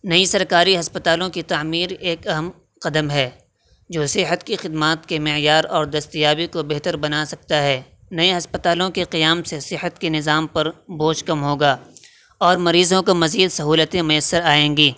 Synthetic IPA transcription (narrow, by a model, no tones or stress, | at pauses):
nɐisɐɾkaːɾiɦɐspət̪aːlõkit̪aːmiːɾeːkɐɦəm | qɐd̪əmɦɛː | d͡ʒoːsɪɦət̪kixɪd̪maːt̪kemɪjaːɾɔːɾd̪ɐst̪ijaːbikobeɦt̪əɾbɐnasɐk̚t̪aɦɛː | nɐeɦɐspət̪aːlõkeqijaːmsesɪɦət̪kenɪzaːmpɐɾboːʃkɐmɦoːɡaː | ɔːɾmɐɾiːzõkomɐziːd̪sɐɦuːlət̪ẽmʊjəsːəɾaːẽːŋɡiː